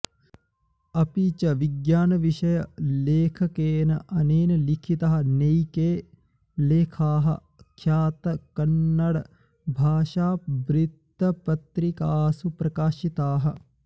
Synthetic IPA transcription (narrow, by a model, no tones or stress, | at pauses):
ɐpit͡ʃɐʋiɡjaːnɐʋiʃɐjɐleːkʰɐkeːnɐʔɐneːnɐlikʰit̪ɐɦɐ̆nejkeː | leːkʰaːɦɐ̰ | kʰjaːt̪ɐkɐnːɐɽɐ | bʱaːʃaːbɾit̪ːɐpɐt̪ɾikaːsupɾɐkaːʃit̪aːɦɐ